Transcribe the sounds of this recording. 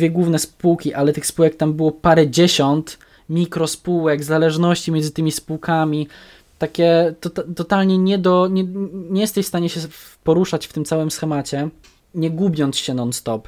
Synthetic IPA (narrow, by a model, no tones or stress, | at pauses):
vʲjɛɡwuvnɛspuwkʲiʔalɛt̪ɘxspuwɛkt̪ambɘwɔpaɾɛd͡ʑeɕɔnt̪ | mʲikɾɔspuwɛɡzalɛʐnɔɕt͡ɕimjɛnzɘt̪ɘmʲispuwkamʲi | t̪akʲɛt̪ɔt̪at̪ɔt̪alɲɛɲɛd̪ɔɲɛɲɛjɛst̪ɛɕfst̪aɲɛɕɛ | pɔɾuʂat͡ɕft̪ɘmt̪awɘmsxɛmat͡ɕɛ | ɲɛɡubʲjɔnt̪sɕɛnɔnst̪ɔp